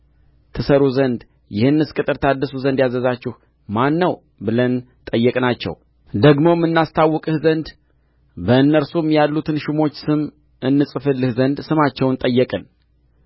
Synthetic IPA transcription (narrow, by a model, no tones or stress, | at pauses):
t̪ʰɨsəɾuzənd̪ | jɪhɨnːɨskʼɨt̪ʼɨɾt̪ʰad̪əsuzənd̪jazəzat͡ʃːɪh | manːəw | bɨlən | t̪ʼəjːɛkʼnat͡ʃːɛ̰w | d̪əɡmo̞mːɨnːast̪ʰawːɔkʼɨhzənd̪ | bəɨnːəɾsumjalːut̪ʰɨnʃumo̞t͡ʃːsɨm | ʔɨnːɨsʼɨfɨlːɨhzənd̪sɨmat͡ʃːɛwnt̪ʼəjːɛkʼɨn